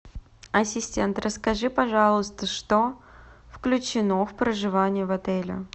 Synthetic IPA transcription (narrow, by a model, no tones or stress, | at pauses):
ɐsʲɪsʲtʲent̪rəskɐʐɨpɐʐɑlˠəst̪əʂt̪ofklʲʉt͡ɕɪnofpɾəʐɨvanʲɪjəvɐt̪ɛlʲɪ̰